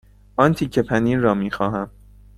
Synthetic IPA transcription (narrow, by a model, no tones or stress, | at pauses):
ʔɒːnt̪ʰiːcʰepʰæniːrɒːmiːxɒːɦæm